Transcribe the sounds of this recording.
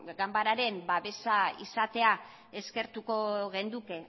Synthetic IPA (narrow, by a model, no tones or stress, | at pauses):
ɡambaɾaɾe̞mbaβe̞saḭsat̪e̞a | e̞ske̞ɾt̪uko̞ɣe̞nd̪uke̞